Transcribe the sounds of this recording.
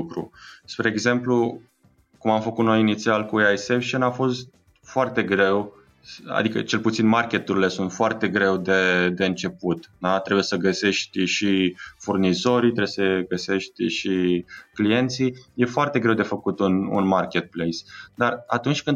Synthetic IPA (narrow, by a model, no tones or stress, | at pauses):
kɾṵspɾe̞ːɡze̞mplu | kumamfəkut̪no̞jinit̪sialkueajsefʃonafo̞st̪̚ | foart̪e̞ɡɾe̞w | a̰d̪ikə̰t͡ʃe̞lput̪sinmarkʲe̞t̪uɾile̞sunt̪foart̪e̞ɡɾe̞wd̪e̞d̪e̞ɨnt͡ʃe̞put̪d̪at̪ɾebuje̞səɡəse̞ʃt̪ʲʃifurnizo̞ɾijt̪ɾebjesəeɡəse̞ʃt̪ʲʃiklije̞nt̪sije̞foart̪e̞ɡɾe̞wd̪e̞fəkut̪unṵnmarkʲe̞t̪̚plejsd̪ara̰t̪unt͡ʃʲkɨn